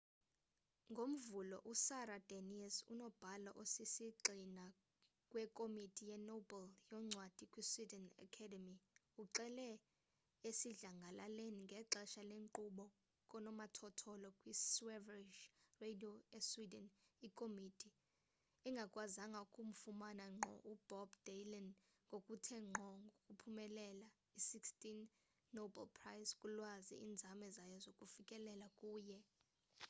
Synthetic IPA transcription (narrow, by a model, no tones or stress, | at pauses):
ŋɡʱom̩vulɔʔusaɾad̥aniɛsṵnɔb̥ʱalɔ̰ʔosisiǃina | kʼwɛkʼomitʼijɛnobɛljɔŋ͡ǀʱwad̥ʱikʼwiswidɛna̰kʰɛdɛmi | uǁɛlɛ | esiɮaŋɡʱalaleniŋɡʱɛǁɛʃaleŋǃuɓɔ | kʼɔnɔmatʰɔtʰɔlɔkʼwiswɛviʃredioeswidɛnikʼomidʰʱʼi | ɛŋɡʱakʼwazaŋɡʱaukʼum̩fumanaŋ͡ǃʱɔ̰ʔub̥ʱɔbdelɛn | ŋɡʱokʼutʰɛŋ͡ǃʱɔŋɡʱokʼupʰumɛlɛla | isikstʼinː | oba̰lpʰrajskʼulwazḭḭnd͡zʱamɛzajɔzokʼufikʼɛlɛlakʼuːjɛ